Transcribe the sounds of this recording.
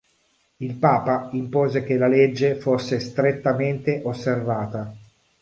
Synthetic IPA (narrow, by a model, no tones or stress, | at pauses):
ilpaːpaimpoːzek̟elːaled͡ʒːefosːest̪ɾet̪ːament̪eʔosːervaːt̪a